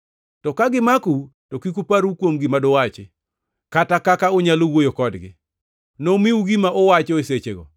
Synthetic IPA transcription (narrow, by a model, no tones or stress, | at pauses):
tɔkaɡɪmakutokikupaɾukwomɡimadowat͡ʃɪ | katakakaoɲalowojokɔdɡɪ̰ | nomiuɡimaʔɔwat͡ʃeset͡ʃeɡɔ̰